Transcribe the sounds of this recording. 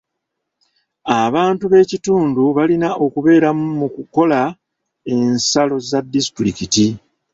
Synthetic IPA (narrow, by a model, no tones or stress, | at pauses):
aβaːntuβe̞ːcituːnduβalinaʔo̞kuβe̞ːɾamumukuko̞la | e̞nsalo̞zadːistuɾikiti